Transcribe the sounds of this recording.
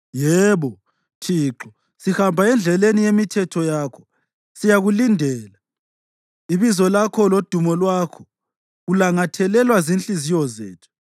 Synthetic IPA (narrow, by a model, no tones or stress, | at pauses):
jɛːβɔ | tʰiːǁɔ | sihambʱaɛnd͡ɮʱɛlenijemitʰɛtʰɔjaːkʰɔ̥ | sijaɣulindʱɛːla | iβizɔlakʰɔlod̥ʱumɔlwakʰɔ̥ | ɣulaŋatʰɛlɛlwazint͡ɬʼizijɔzḛːtʰu̥